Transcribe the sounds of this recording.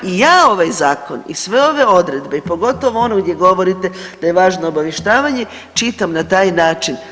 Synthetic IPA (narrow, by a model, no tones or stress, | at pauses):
ijaːo̞ʋajzaːko̞nḭsʋe̞o̞ʋe̞o̞d̪ɾe̞d̪be̞ipo̞ɡo̞t̪o̞ʋoo̞noɡd̪je̞ɡo̞ʋo̞ɾit̪e̞d̪̥ajeʋaːʒnoːbaʋjeʃt̪aːʋaɲe̞ | t͡ʃit̪amnat̪aːjnaːt͡ʃin